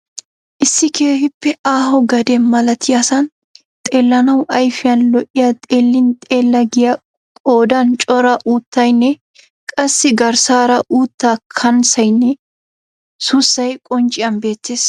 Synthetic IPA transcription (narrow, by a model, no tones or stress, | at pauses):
ʔɪsːɪkʰe̞ːhɪpːɛaːhɔɡɐd̪ɛmɐlɐt̪ʰɪjasɐn | t̪ʼe̞ːlːɐnɐwʔɐjfɪjɐnlɔʔɪjɐt̪ʼeːlːɪnt̪ʼe̞ːlːɐɡɪjɐ | kʼo̞ːd̪ɐnt͡ʃʼɔɾɐʔuːt̪ːɐjnːɛ | kʼɐsːɪɡɐɾsaːɾɐʔuːt̪ːaːkʰɐnsɐjnːɛ | sʊsːɐjkʼɔnt͡ʃʼɪjɐnbe̞ːt̪ːe̞ːs